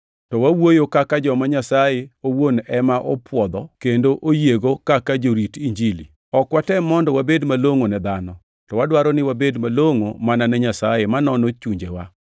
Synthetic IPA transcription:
tɔwawojokakad͡ʒɔmaɲasajeowonɛmaʔɔ̰pwɔd̪ɔkendoʔojeɡokakad͡ʒoɾitiɲd͡ʒilḭ | ɔkwatɛmɔndɔwabedmaloŋonɛd̪anɔ | tɔwadwaɾɔnɪwabedmaloŋomananɛɲasajemanɔnot͡ʃuɲd͡ʒewa̰

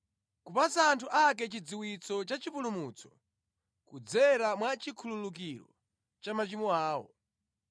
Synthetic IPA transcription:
kupasaːntʰuʔak̬ɛt͡ʃid͡ziwit͡sɔt͡ʃat͡ʃipulumuːt͡sɔ̥ | kud͡zɛɾamwat͡ʃikʰululuk̬iɾɔ̰ | t͡ʃamat͡ʃimuaːwɔ̰

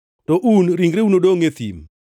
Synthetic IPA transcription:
tɔʔunɾiŋɡɾeunodoŋet̪ḭm

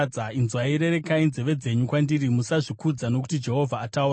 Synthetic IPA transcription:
d͡zainzwaiɾe̞ɾe̞kainze̞ʋe̞d͡ze̞ɲukwandiɾimusaʐikud͡zano̞ku̥tid͡ʒe̞ɦo̞vʱaːtaur

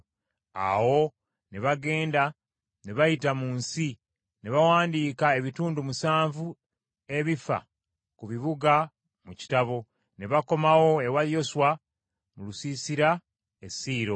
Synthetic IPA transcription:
a̰wo̞ | neβaɡe̞ːnda | neβajitamuːnsi | neβawaːndiːkae̞βituːndumusaːɱvu | e̞βifa̰ | kuβiβuɡa | muci̥taβo̞ | neβako̞mawo̞e̞waljo̞swa | mulusiːsiɾa | esiːɾo̞

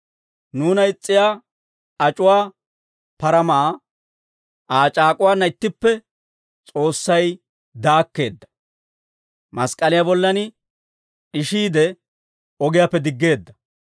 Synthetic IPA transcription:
nuːnɐɪt͡sʼːɪjaː | ɐt͡ʃʼʊwaː | pɐɾɐmaː | ʔaːt͡ʃʼaːkʼʊwaːnːɐɪt̪ːɪpːɛ | t͡sʼo̞ːsːɐj | d̪aːkːe̞ːd̪ːɐ̥ | mɐskʼɐlɪjaːbɔlːɐnɪ | ɪʃiːd̪ɛ | ɔɡɪjaːpːɛd̪ɪɡːe̞ːd̪ːɐ

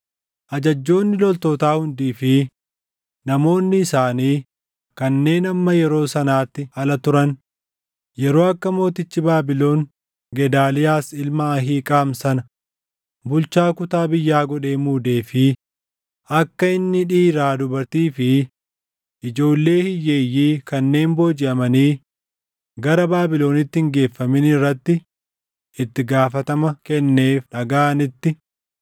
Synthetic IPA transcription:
ʔɐd͡ʒɐd͡ʒːo̞ːnːɪlɔlt̪oːt̪aːhʊnd̪iːfɪ | nɐmo̞ːnːɪːsaːniː | kɐnːe̞ːnɐmːɐjɛɾo̞ːsɐnaːt̪ːɪɐlɐt̪ʊɾɐn | jɛɾo̞ːɐkːɐmo̞ːt̪ɪt͡ʃːɪbaːbɪlo̞ːŋ | ɡɛd̪aːlɪjaːsɪlmɐːɦiːkʼaːmsɐnɐ | bʊlt͡ʃaːkʊt̪aːbɪjːaːɡɔᶑe̞ːmuːd̪e̞ːfɪ | ʔɐkːɐɪnːɪᶑiːɾaːd̪ʊbɐɾt̪iːfɪ | ʔɪd͡ʒo̞ːlːe̞ːhɪjːeːjːiːkɐnːe̞ːmboːd͡ʒɪʔɐmɐniː | ɡɐɾɐbaːbɪlo̞ːnɪt̪ːɪɪŋɡe̞ːfːɐmɪnɪrːɐt̪ːɪ | ɪt̪ːɪɡaːfɐt̪ɐmɐkɛnːe̞ːfᶑɐɡaːʔnɪt̪ːɪ

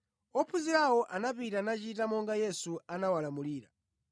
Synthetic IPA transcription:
ɔpʰuziɾawɔʔanapitanat͡ʃitamɔŋɡajɛsuanawalamuliːɾa̰

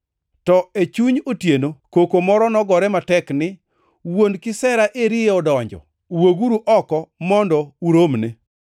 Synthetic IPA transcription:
tɔet͡ʃuɲotjenokokomɔɾɔnɔɡɔɾɛmatɛknɪ | wondkɪsɛɾaʔeɾɪeɔdɔɲd͡ʒɔ̰ | uwoɡuɾuʔɔkɔmɔndɔuɾomne

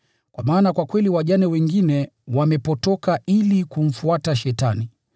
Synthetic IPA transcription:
kwʔamaːnakwakwɛliwaʄanɛwɛŋɡinɛwamɛpɔtɔkaʔilikum̩fuataʃɛtani

